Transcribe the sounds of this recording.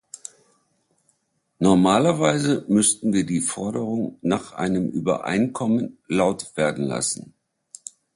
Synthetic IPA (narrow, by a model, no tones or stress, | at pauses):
nɔɐmaːlɐvaɪzəmʏstn̩viːɐdiːfɔɐɾəʁ̞ʊŋnaːχʔa̰ɪnəmʔy̰ːbɐ̰ʔa̰ɪnkʰɔmənlaʊtv̥eːɐdn̩la̰sn̩